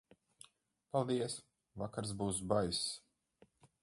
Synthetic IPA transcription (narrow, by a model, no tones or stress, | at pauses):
palˠd̪iɛs | vakaɾs̬buːsbajs